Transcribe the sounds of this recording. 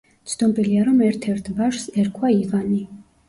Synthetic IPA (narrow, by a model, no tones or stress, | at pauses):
t̪sʰd̪ɔmbʼiliaɾɔmɛɾt̪ʰɛɾt̪ʰbaʃsɛɾkʰwaiʁani